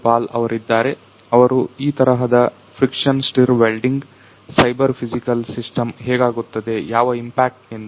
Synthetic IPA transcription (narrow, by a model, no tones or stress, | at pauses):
paːlɐʋɐɾid̪ːaːɾe̞ | ɐʋɐɾuiːt̪ɐɾɐɦɐd̪ɐ | pʰɾikʂɐnsʈiɾʋelɖiŋɡ | sɐjbɐɾpʰid͡ʒikɐlsisʈɐmɦɛːɡaːɡut̪ːɐd̪e̞jaːʋɐimpaːk̚ʈen